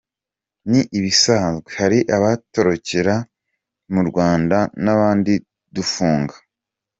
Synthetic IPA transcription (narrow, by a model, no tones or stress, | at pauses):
niʔiβisazɡwehaɾiʔaβato̞ɾo̞ceɾa | muɾɡwaːndanaβaːndi | dufuːŋɡḁ